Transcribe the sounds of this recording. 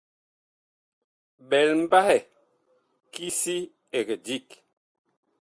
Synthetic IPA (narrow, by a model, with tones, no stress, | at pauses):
bɛ˨lm̩˦ba˦hɛ˨ | ki˦si˦ | e˨kə˨di˦˨k